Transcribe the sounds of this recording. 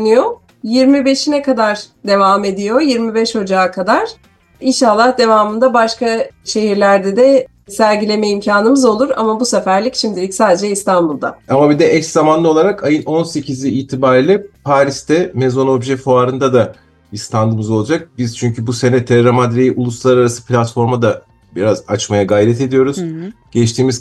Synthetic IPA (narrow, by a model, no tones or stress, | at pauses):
nijo̞ | jiɾmibe̞ʃinɛkad̪aɾ̥d̪e̞vaːme̞d̪ijo̞jiɾmibɛʃho̞d͡ʒaːkʰad̪aɾ̥ | inʃalˠːahd̪e̞vaːmɯnd̪abaʃkaʃe̞ɦiɾlʲæɾd̪ɛd̪ɛ | sælʲɟilʲe̞mɛimcʰaːnɯmɯzo̞lˠuɾa̰mabusefæɾlʲicʃimd̪ilʲicsaːd̪e̞d͡ʒɛist̪ʰanbulˠd̪a̰amabid̪ɛʔɛcszamanlˠɯo̞lˠaɾakajɯno̞nse̞cʰiziiːt̪ʰibaɾilʲɛpʰaːɾist̪ɛmezo̞no̞bʒɛfoaːɾɯnd̪ad̪a | bist̪ʰand̪ɯmɯzo̞lˠad͡ʒak̚biz̥t͡ʃʰyɲcʰybuse̞nɛt̪ʰːɛɾamad̪ɾejiʔulˠuslˠaɾaɾasɯ̥pʰlʲat̪fo̞ɾmad̪a | biɾazat͡ʃmajaɡajɾɛt̪ʰe̞d̪ijo̞ɾuz̥ɟ̥ɛt͡ʃt̪ʰiːmiz